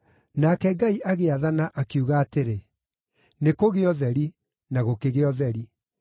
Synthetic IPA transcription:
nakɛɡaiʔaɣeaðanaʔakiuɣaːteɾe | nekoɣeɔðɛɾi | naɣokeɣeɔðɛɾi

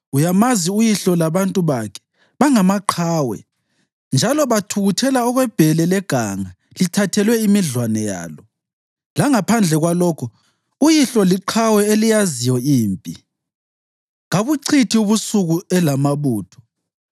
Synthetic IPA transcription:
ujamaziujiɬɔlaβantʼuβakʰɛ̥ | βaŋamaǃʰaːwɛ̰ | nd͡ʒʱalɔβatʰuɣutʰɛlaɔɣwɛb̥ʱɛlɛlɛɡ̥ʱaŋa | litʰatʰɛlwɛimiɮwanɛja̰ːlɔ | laŋapʰand͡ɮʱɛɣwalɔkʰɔ | ujiɬɔliǃʰawɛelijazijɔiːmpʼi | ɣaβuǀʰitʰiuβusuɣuɛlamaβuːtʰɔ̥

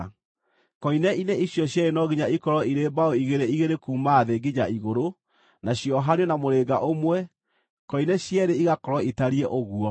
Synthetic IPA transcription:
kɔinɛineiɕjɔɕjɛɾenɔɣiɲaikɔɾɔiɾeːmbaɔiɣeɾeiɣeɾekuːmaðeɡed͡ʑaiɣoɾo | naɕjɔɦanɔnamoɾeːɡaʔomwɛ | kɔinɛɕjɛɾeiɣakɔɾɔitaɾiɛʔoɣuɔ

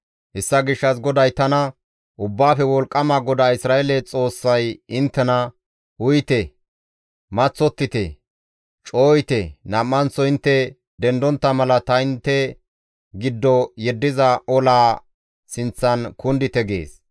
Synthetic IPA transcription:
hɛsːɐɡɪʃːɐs̬ɡɔd̪ɐjt̪ɐnɐ | ʔʊbːaːfɛwɔlkʼːɐmaɡɔd̪aːɪsɾaːelɛt͡sʼo̞ːsːɐjɪnt̪ːɛnɐ | ʊjt̪ɛ | mɐt͡sːɔt̪ːɪt̪ɛ | t͡ʃʼo̞ːjɪt̪ɛnɐmːɐnsɔɪnt̪ːɛ | d̪ɛnd̪ɔnt̪ːɐmɐlɐt̪ɐɪnt̪ːɛ | ɡɪd̪ːɔjɛd̪ːɪzɐʔɔlaː | sɪnt͡sːɐnkʊnd̪ɪt̪ɛɡḛːs

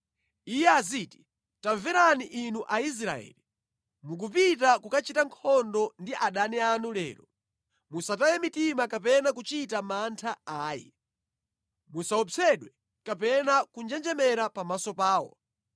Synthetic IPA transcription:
ijɛaziːti̥ | taɱvɛɾaniʔinuʔais̬ɾa̰ɛ̰ːli | muk̬upitakukat͡ʃitaŋkʰɔndɔndiʔaɗanɛanulɛ̰ːɾɔ | musatajɛmitimakapɛnak̬ut͡ʃitamantʰaaːjɛ̰ | musaɔt͡sʰɛɗwɛ | kapɛnakund͡ʒɛnd͡ʒɛmɛɾapamasɔpaːwɔ̰

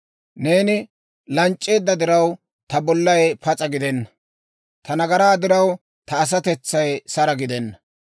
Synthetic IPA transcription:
ne̞ːnɪ | lɐnt͡ʃʼːe̞ːd̪ːɐd̪ɪɾɐw | t̪ɐbɔlːɐjpɐt͡sʼɐɡɪd̪ɛnːɐ | t̪ɐnɐɡɐɾaːd̪ɪɾɐw | t̪ɐːs̬ɐt̪ɛt͡sːɐjsɐɾɐɡɪd̪ɛnːɐ

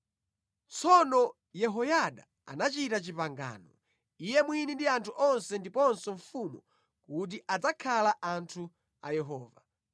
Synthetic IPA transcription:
t͡sɔnɔ | jɛɦɔjaɗa̰ | a̰nat͡ʃitat͡ʃipaŋɡa̰ːnɔ | ijɛmwinindiantʰuʔɔnsɛndipɔnsɔɱfumu | kut̬iʔad͡zakʰalaʔantʰu | a̰jɛɦɔːva

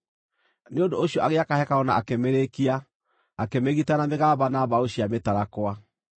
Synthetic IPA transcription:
neodooɕijɔʔaɣeakahɛkaɔna̰akemeɾekiaː | kemeɣitanameɣaːβanaβaoɕiametaɾakwa

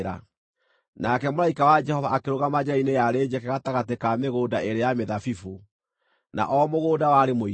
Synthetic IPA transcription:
ɾa̰ | nakɛmoɾaikawad͡ʒɛhɔvaːkeɾoɣamad͡ʑainejaɾeːd͡ʒɛkɛɣataɣatekameɣoːdaeɾejameðafifu | na̰ʔɔmoɣoːdawaɾemoi

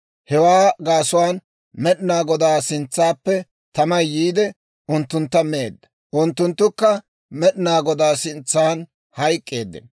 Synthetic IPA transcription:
hɛwaːɡaːsʊwaːn | mɛɗɪnaːɡɔd̪aːsɪnt͡sːaːpːɛ | t̪ɐmɐjjiːd̪ɛ | ʊnt̪ːʊnt̪ːɐmeːd̪ːɐ | ʔʊnt̪ːʊnt̪ːʊkːɐ | mɛɗɪnaːɡɔd̪aːsɪnt͡sːaːn | hɐjkʼːeːd̪ːɪ̰n

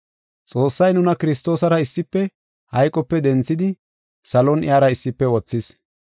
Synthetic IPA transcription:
t͡sʼo̞ːsːɐjnʊnɐkɪɾɪs̬t̪o̞ːsɐɾɐɪsːɪpːɛ | hɐjkʼɔpːɛd̪ɛnt͡sːɪd̪ɪ | sɐlɔnɪ̰jaːɾɐɪsːɪpːɛwɔt͡sːɪs

